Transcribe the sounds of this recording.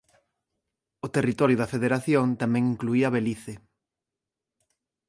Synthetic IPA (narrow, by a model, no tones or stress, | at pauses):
ot̪erit̪oɾjʊðɐfeðeɾaθjont̪amɛ̃ŋiŋkluiɐaβeliθe